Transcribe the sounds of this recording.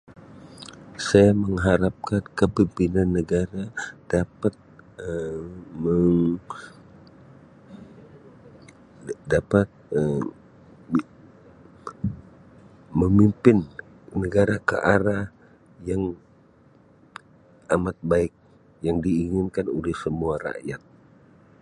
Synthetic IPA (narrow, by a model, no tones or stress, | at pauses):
sajaməŋɦaɾap̚kankəbimpinanːəɡaɾad̥apat̪̚əməŋ | dapat̪̚ə | məmimpɪnː | əɡaɾakə̰ʔaɾah | jaŋ | amat̪̚baɪk̚ | jaŋdiːŋɪnkanolɛhsəmuaɾa̰ʔjat̪̚